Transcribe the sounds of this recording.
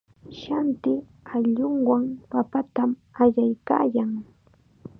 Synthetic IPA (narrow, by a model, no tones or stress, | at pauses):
ʃant̪ɪ | aʎʊŋwaŋpapat̪am | aʎajka̰ːjaŋ